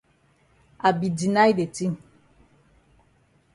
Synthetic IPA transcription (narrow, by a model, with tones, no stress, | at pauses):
a˨bi˨di˨na˦jde˨ti˦